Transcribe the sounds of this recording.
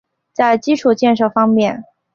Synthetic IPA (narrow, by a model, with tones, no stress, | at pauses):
t͡sa˥˩ɪt͡ɕi˥ʈ͡ʂʰu˨˩t͡ɕjɛ˥˧nʂɤ˥˩fɑ˥ŋmjɛ˥˩n